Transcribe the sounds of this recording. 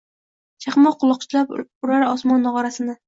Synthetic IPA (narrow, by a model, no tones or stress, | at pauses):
t͡ʃʰɑχmɒqʰːʊlˠɑq̚t͡ʃʰɪlapʊɾaɾɒsmɒnːɑʁɑɾasɪnɪ